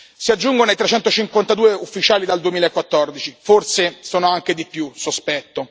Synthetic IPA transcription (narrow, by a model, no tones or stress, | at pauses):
siad͡ʒːuŋɡonoit̪ɾet͡ʃɛnt̪ot͡ʃiŋkwant̪ad̪uːeufːit͡ʃaːlid̪ald̪uemiːlaekːwat̪ːɔrd̪it͡ʃiforsesoːnoaŋked̪ipjusospɛt̪ːo